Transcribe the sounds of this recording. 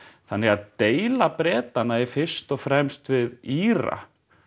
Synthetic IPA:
θanːɛɣaðt̪eːjlapɾɛːt̪anaɛɾfɪr̥st̪ɔɣfɾɛmst̪vɪðiːɾa̰

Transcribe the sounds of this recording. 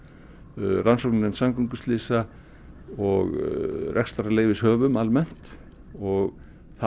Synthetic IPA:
ransonnɪnsamkuŋkʏst̪lɪːsa | ɔɣrʔɛ̰kst̪aɾaleːjvɪshœːvʏmalmɛn̥t̪ | ɔɣ | θa

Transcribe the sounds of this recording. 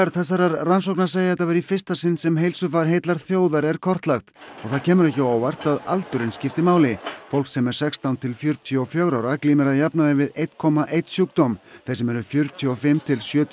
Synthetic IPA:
ɾθɛsaɾaɾransowknḁseːjaɛt̪ːavɛɾifɪr̥st̪asɪnːsɛmɦejlsʏfaɾɦejt̪laɾ̥θjoːwðaɾɛɾ̥kʰɔr̥t̪laxt̪ɔɣθaðcʰɛːmʏɾɛhcɪaːwvar̥t̪aða̰lt̪ʏɾɪnscɪft̪ɪmaːwlɪfowlksɛmɛɾ̥sɛkst̪ant̪ʰɪlfjʏɾt̪ʰjɔfjœɣɾawɾakliːmɪɾaðjapnaðɪvɪðejt̪kʰɔmaʔejt̪sjuk̚t̪ɔmθɛsɛmɛɾʏfjʏɾt̪ʰjɔfɪmt̪ʰɪlsjœːt̪ʰ

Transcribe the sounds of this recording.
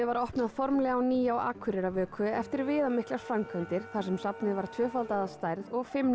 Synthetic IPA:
ɪvaɾɔhpnaðfɔɾmlɛɣawniːjawa̰ːkʰʏɾɛɾavœːkʰʏɛft̪ɪɾvɪːðamɪhklaɾ̥fɾamkʰant̪ɪɾ̥θḁsɛmsapnɪvaɾ̥t̪ʰvœːfalt̪aðast̪aːjɾðɔɣfɪm

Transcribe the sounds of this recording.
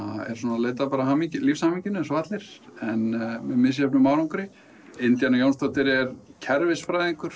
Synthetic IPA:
aɛ̰ɾ̥unaleːjt̪apaːɾaɦaːmicɪlifshaːmiɲcɪnʏɛnsɔat̪lɪɾ̥ɛnmɛmɪs̬jɛpnʏmːaːwɾaŋkʏɾɪ | ɪnt̪janajownst̪ɔt̪ɪɾɛɾcʰɛɾvɪsfɾajðɪŋkʏɾ̥

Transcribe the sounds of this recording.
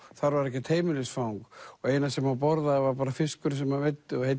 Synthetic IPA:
θaɾvaɾɛhcɪt̪ʰeːjmɪlɪsfawŋkɔɣeːjnasɛmap̬ɔɾðavaɾpaːɾafɪskʏɾsɛmavet̪ːɪɔhe

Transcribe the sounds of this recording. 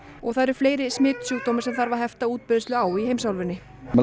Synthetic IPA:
ɔɣθaðɾ̥fleːjɾɪsmɪːt̪sjuːkt̪oːmɪ̥sɛmθaɾvaðɦɛft̪auːt̪̚pɪðst̪lʏaːwiheːjmsawlvɪnːɪ | m

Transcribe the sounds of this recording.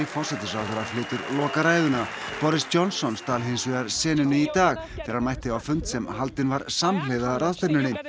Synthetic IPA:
ifɔr̥sɛt̪ɪsawθaɾaflɪːt̪ʏɾlɔːkaɾaːjðʏnapɔɾɪsjɔnsːɔnst̪ʰaːlɦensvɪɣaɾ̥sɛːnʏnɪit̪aːxθʰɪːɾaɾmajht̪ɪvawfʏnt̪sɛmɦalt̪ɪnvaɾsamleːjðaraðst̪ɛpnʏɾnɪ

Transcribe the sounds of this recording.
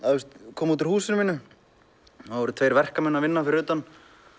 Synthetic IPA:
aðust̪kʰɔːmuːt̪̬ɪɾ̥huːsɪnmiːnʏ | haðvɔɾʏt̪ʰvejɾvɛr̥kamɛnːavɪnːafɪɾɪʏːt̪an

